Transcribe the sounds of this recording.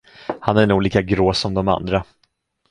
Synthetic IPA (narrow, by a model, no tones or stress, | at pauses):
hanæɾɳuːɡliːkaɡɾoːsɔmd̪ɔma̰nd̪ɾa